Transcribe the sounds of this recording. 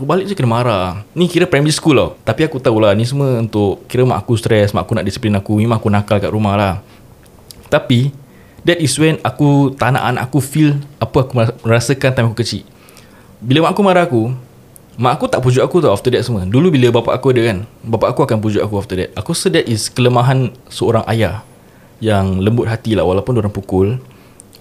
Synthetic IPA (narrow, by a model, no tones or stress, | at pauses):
akubalɪʔ̚d͡ʒəkənəmaɾanĩkiɾəpɾamiskula̰t̪apiakut̪aulanĩs̬əmə̃unt̪ʊʔkiɾəmaʔakust̪ɾɛsma̰ʔakunaʔdisi̥plinakumĩmãŋakunakalka̰ʔɾumahlah | t̪api | dɛt̚iswɛnakut̪ana̰ʔanaʔakufilapəakuməə̃ɾasəkant̪ajmakukət͡ʃiʔ | biləmãʔakumaɾaaku | mãʔakut̪aʔpud͡ʒuʔakut̪ɔaft̪ədɛt̚səmə̃dulubiləbapa̰ʔakuadəkanbapaʔakuakanp̬ud͡ʒuʔakuaft̪ədɛ̰t̪̚akusədɛtiskələmãɦansəoɾaŋʔa̰ja | jaŋləmbʊt̪̚ɦat̪ilahwalawpundoɾaŋpukʊl